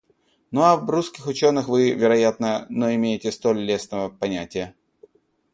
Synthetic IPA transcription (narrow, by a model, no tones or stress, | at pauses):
noɐvbɾuskʲɪxʊt͡ɕo̞nːɨxvɨvʲɪɾɐjat̪nənoɪmʲejɪtʲɪst̪o̞lʲlʲesnəvəpɐnʲætʲɪjə